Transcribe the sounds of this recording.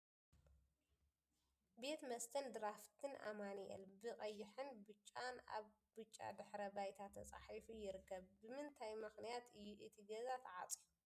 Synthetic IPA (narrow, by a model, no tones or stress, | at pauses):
be̞t̪mɐst̪ʰɐnd̪ɨɾaft̪ʰɨnʔa̰maniɛ̰lbɨkʼɐjːɪħɨnbɨt͡ʃʼːana̰β | bɨt͡ʃʼːa̰d̪ɨħɾɐbajt̪ʰat̪ʰːɐt͡sʼa̰ħifijɪɾɨkːɐβbɨmɨnt̪ʰajmɨxnijat̪ɨjːuʔɨt̪ʰiɡɐzat̪ʰʕa̰t͡sʼiu